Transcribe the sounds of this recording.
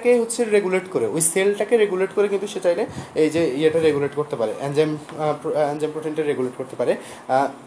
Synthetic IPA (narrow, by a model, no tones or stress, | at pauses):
keɦotːɕʰeɾeɡuleʈkoɾeojselʈakeɾeɡuleʈkoɾekint̪uʃet͡ɕajleejd͡ʑeiaʈaɾeɡuleʈkoɾt̪epaɾḛʔɛnd͡ʑem | ɛnd͡ʑempɾoʈinʈaɾeɡuleʈkoɾt̪epaɾe